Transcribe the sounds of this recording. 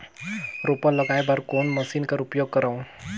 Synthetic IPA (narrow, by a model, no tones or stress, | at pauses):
ɾupələɡajbaɾkoːnməsiːnkaɾupjoːɡ̚kəɾaũ